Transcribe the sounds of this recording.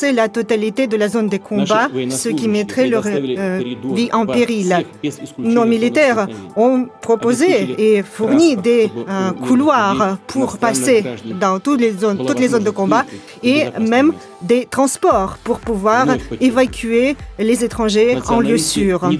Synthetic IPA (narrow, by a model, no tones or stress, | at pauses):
sɛlat̪ɔt̪alit̪ed̪əlazond̪əkʰɔ̃basəkʲimɛt̪χɛlœʁ | viʔɑ̃peʁil | nomilit̪ɛʁɔ̃pχɔpozeefuʁnid̪ekʰulwaʁpʰuʁpased̪ɑ̃t̪ulezont̪ut̪lezond̪əkɔ̃ba | emɛm | d̪et̪χɑ̃spɔʁpuʁpuvwaʁevakʲʰyelezet̪χɑ̃ʒeɑ̃ləsyːʁ